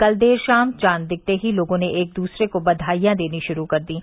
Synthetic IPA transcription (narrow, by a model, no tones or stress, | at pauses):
kɐld̪eːɾʃaːmt͡ʃaːnd̪ɪk̚t̪eɦiloːɡõneʔeːk̚d̪uːsɾekobɐd̪ʱaːjjãd̪eːniʃʊɾukɐɾd̪ĩː